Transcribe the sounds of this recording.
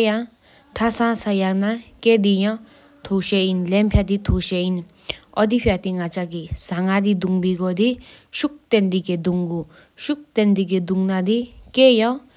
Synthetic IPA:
ja | ʈʰasãsajaknaked̪ija | t̪ʰoɕeinlɛmpʰjad̪it̪ʰoɕein | ɔd̪ipʰjat̪iŋat͡saɡisaŋad̪id̪uŋbiɡɔd̪iʃuk̚t̪end̪iked̪uŋɡu | ɕuk̚t̪end̪iɡ̬ed̪uŋnad̪ikejã

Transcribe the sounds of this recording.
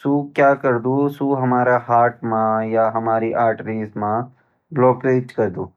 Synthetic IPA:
suːkjaːkɐɾd̪uːsuɦɐmaːɾaɦaːɾʈmãjaɦɐmaːɾiʔaːɾʈɾiːzmã | bloːkɾeːd͡ʒkɐɾd̪uː

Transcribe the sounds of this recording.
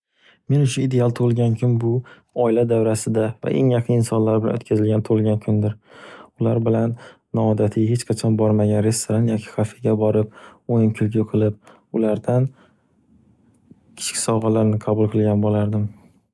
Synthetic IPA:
me̞nʊʃʊid̪e̞alˠt̪ʰolˠɡʲankʲʰʊnbʊ | ɒɪlad̪avɾasɪd̪ava̰ʔe̞̰ŋjɑqʰɨnɪnsɒnlaɾbɪla̰not̪̚kʰazɪlɡant̪ʰolˠɡʲankʲʰʊnd̪ɪɾʊlaɾbɪlanː | ɒːd̪at̪ʰɪhe̞t͡ʃqʰɑt͡ʃʰɒnbɒɾmaɡʲanɾe̞st̪oɾanjɒkʲʰi̥χafɪɡʲabɒɾɪp̚ojɪmkʲʰʊlɡʲʊqʰɨlˠɪp | ʊlaɾd̪an | kʲʰɪ̥t͡ʃkʰʲɪ̥sɒʁɑlaɾnɪqʰɑbʊlˠqʰɨlˠɡʲanbolaɾd̪ɪm

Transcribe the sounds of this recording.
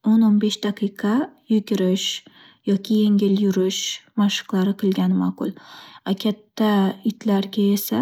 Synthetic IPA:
ononbe̞ʃd̪̥aqʰɨjqʰɑjʊɡʲɪɾɪʃ | jɒkʲʰɪje̞ŋʲɪljʊɾɪʃmaʃɨ̥qlˠaɾɪqʰɨlˠɡʲanma̰qʊ̰lˠakʲʰat̪ʰːaɪt̪ʰlaɾɡʲae̞sa

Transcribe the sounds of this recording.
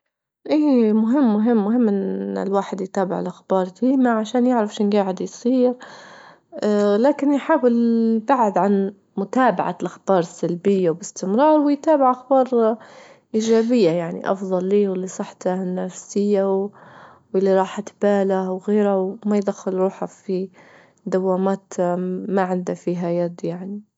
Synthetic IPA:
ʔiːmʊɦɪmːʊɦɪmːʊɦɪmːʔɪnɪ̰lwaːħɪd̪jt̪aːbɪʕlʔaxbɑːɾˤd̪iːmaʕaʃaːnjɪʕɾafʃɪnɡaːʕɪd̪jsˤiːɾ | laːkɪnjħaːwɪlbaʕʕɪd̪ʕan | mʊt̪aːba̰ʕa̰lʔaxbɑːɾˤsalbɪjːawbɪst̪ɪmɾˤɑːɾˤwɪjt̪aːbɪʕʔaxbɑːɾˤ | ʔiːʒaːbɪjːajaʕnḭʔɑ̰fðˤɑlːiːwɪlːisˤɨħt̪anːafsɪjːaw | wɪlːiɾˤɑːħat̪b̥aːlawɣeːɾawmajd̪axːɪlɾuːħafi | d̪awːaːmaːt̪maʕɪnd̪afiːɦajad̪jaʕni

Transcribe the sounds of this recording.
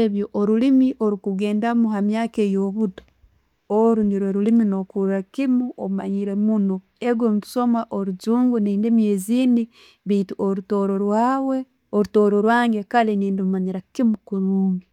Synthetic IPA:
eβjoʔoɾulimiʔoɾukuɡe̞ːndamuɦamjaːkejoβudo̥ | oɾuniɾweɾulimino̞kuɾakimuʔouma̰ɲiɾemuno̞ | eɡomutu̥so̞maʔoɾuzuːŋɡuniːndemjeziːni | βituʔoɾutoɾoɾwaːwe | oɾutoɾoɾwaːŋɡe̞kaleniːndiumaɲiɾakimukuɾuːŋɡi

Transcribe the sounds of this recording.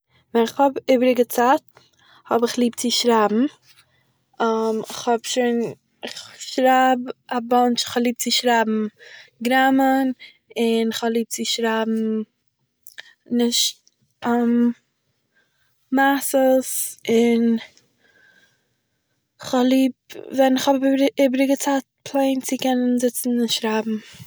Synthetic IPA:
vɛnɪχhɔbiːbɾɪɡət͡saːt̚ | hɔbɪχlˠiːp̚t͡sɪʃɾaːbm̩ | amɪχhɔbʃiːn | ɪχʃɾababɔnt͡ʃɪ̥χhɔblˠiːp̚t͡sɪʃɾaːbm̩ɡɾamən | ɪnɪχhɔblˠiːp̚t͡sɪʃɾabm̩ | nɪʃt̚ | am | masəsɪn | χɔlˠiːb̚vɛnɪχhɔbabiːbɾɪɡət͡saːt̚pʰlˠeɪnt͡sɪkɛnənzɪt͡sn̩ɪnʃɾaːbm̩

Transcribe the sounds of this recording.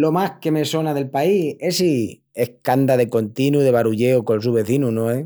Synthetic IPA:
lo̞mahke̞me̞so̞naðe̞lpaiesi | e̞hhkand̪aðe̞ko̞nt̪inuðe̞βaɾuʎeokonsuβe̞θinunõe

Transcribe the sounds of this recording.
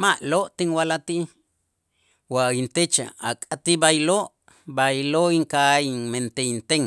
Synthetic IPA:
maʔloʔt̪iŋwalat̪iʔ | waint̪et͡ʃa̰a̰kʼat̪ibajiloʔ | bajiloiŋkaiment̪eint̪eŋ

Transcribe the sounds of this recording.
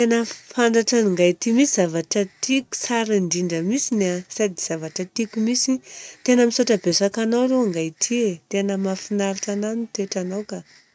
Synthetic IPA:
t̪enəfaɳɖ͡ʐaʈ͡ʂaiŋɡajt̪imisizavaʈ͡ʂət̪iku̥saɾiɳɖ͡ʐiɳɖ͡ʐəmisinasad̪iz̥avaʈ͡ʂət̪ikumisit̪enəmisoʈ͡ʂabesakanawɾeaŋɡajt̪ʰiet̪enəmafinaɾiʈ͡ʂananit̪eʈ͡ʂanawka

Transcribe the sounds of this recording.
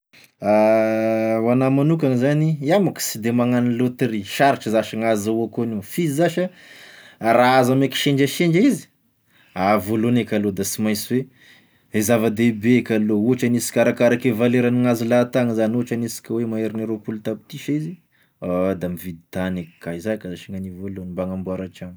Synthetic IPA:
a | wanamanukaŋzaniamaki̥sid̪emaŋanilot̪riʃaɾiʈ͡ʂizaʃaŋazauakonefiizaʃə | raazameki̥ʃeɳd͡ʒəʃeɳd͡ʒizi̥ | avolonekʲalod̪asimajsiwe | ezavəd̪ebekʲalouɦaʈ͡ʂanisi̥kʲaɾakaɾakevaleɾaniŋazilat̪aŋizanuaʈ͡ʂanisi̥kʲəwemaeɾiniɾopulut̪abi̥t̪iʃizi | ad̪amivid̪it̪anekkaizakazaʃiŋanivolonmbaŋambuaɾaʈ͡ʂan

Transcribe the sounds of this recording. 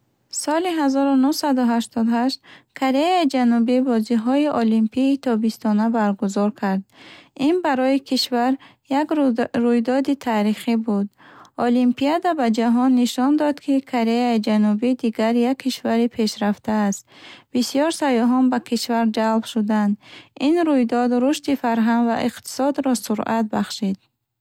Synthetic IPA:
sɔliɦazɔɾunuhsad̪uɦaʃt̪ʰɔd̪haʃt̪kʰaɾeaid͡ʒanubibɔziɦɔiʔɔlimpʰiːt̪ʰɔbist̪ʰɔnabaɾɡuzɔɾkʰaɾd̪inbaɾɔikʰiʃvaɾ | jaɡɾujd̪ɔd̪it̪ʰaɾiχibud̪ɔlimpʰiad̪abad͡ʒaɦɔnːiʃɔnd̪ɔd̪kʰikʰoɾeaid͡ʒanubid̪iɡaɾjakʰːiʃvaɾipʰe̞ʃɾaft̪ʰaːst̪bisijɔɾsajɔɦɔnbakʰiʃvaɾd͡ʒalbʃud̪and̪ʔinɾujd̪ɔd̪ɾuʃt̪ifaɾɦanɡvaʔiqt̪ʰi̥sɔd̪ɾɔsuɾʔat̪̚baχʃid̪̥

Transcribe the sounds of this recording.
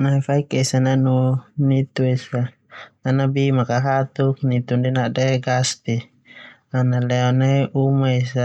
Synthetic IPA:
nafaikɛsananunit̪uɛsaː | nabimakaɦat̪uk̚nit̪undɛnadɛɡast̪i | analɛɔnaiʔumaisa

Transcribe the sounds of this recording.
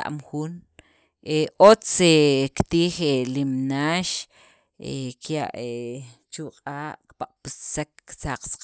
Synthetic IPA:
a̰ʔmxuːn | eʔot͡sekt̪iːχelimnaːʃ | ekʰja̰ʔe | t͡ʃuqʼaːʔkpaqʼpissak̚ːsaqsḁq

